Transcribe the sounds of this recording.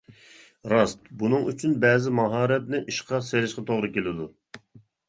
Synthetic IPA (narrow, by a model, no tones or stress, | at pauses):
ɾɑst̪bunɨŋyt͡ʃʰynbɛːzɪmɑɦɑːɾɛt̪nɪʔiʃqɑseɾɪʃqɑt̪ʰoʁɾɨkʲelɪd̪u